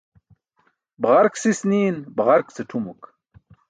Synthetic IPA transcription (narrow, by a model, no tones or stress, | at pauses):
bʁaɾksisniːnbʁaɾkt͡seʈʰumuk